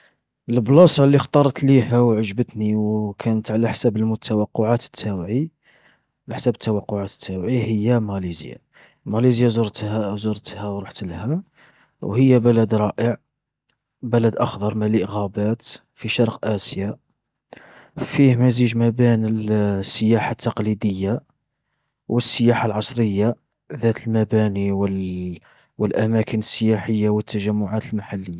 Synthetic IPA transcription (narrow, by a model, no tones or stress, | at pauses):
əlblɑsˤɑlːixt̪ˤɑɾˤɑt̪lihæwʕəʒbət̪niwkʰænət̪ʕalæħsæbəlmʊt̪ʰæwɑqːʊʕat̪ə̥t̪ʰːæwʕi | læħsæbət̪ːæwɑqːʊʕat̪ə̥t̪ʰːæwʕihəjːæmælizja̰ | mælizjazɾt̪zuɾˤt̪hæwɾˤuħt̪lhæ | whəjːæbælæd̪ɾˤɑʔəʕ | bælæd̪ʔɑxd̪ɑɾˤmæləʔɣæbæt̪ | fiʃɑɾˤqʔæsja | fihmæziʒmæbinəlsːəjaħat̪ʰːɑqlid̪əjːa | wʔəsːəjaħalʕɑsˤɾəjːa | ðæt̪əlmæbæniwə | wəlʔæmækənəsːəjaħəjːawət̪ːæʒæmːʊʕat̪əlmaħalːəjːa